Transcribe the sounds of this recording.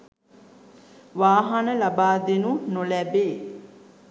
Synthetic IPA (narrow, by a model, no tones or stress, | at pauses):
ʋaːɦanəlabaːd̪enunolæbe